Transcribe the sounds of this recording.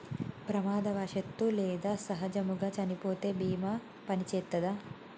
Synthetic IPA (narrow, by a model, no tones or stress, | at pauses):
pɾɐmaːd̪ɐʋaːʃɐt̪ːuleːd̪aːsɐɦɐd͡ʒɐmuɡɐt͡ʃɐnipoːt̪eːbiːmɐ | pɐnit͡ʃeːt̪ːɐd̪ɐ